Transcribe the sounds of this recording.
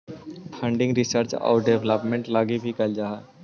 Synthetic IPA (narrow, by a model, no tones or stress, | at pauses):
pʰɐ̃ɳɖɪ̃ŋɡɾɪsəɾt͡ʃɔ̰ːɾɖeʋləpmẽɳʈlaːɡibʱikɐld͡ʒaːɦa